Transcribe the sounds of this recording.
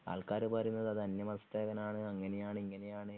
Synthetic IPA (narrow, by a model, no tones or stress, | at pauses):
a̰ːɭkaːɾɨpɐɐɾunːɐðɐðɐnjɐmɐðɐst̪eːɣɐnaːɳɨɐŋːɐne̞jaːɳɨiŋːɐne̞jaːɳɨ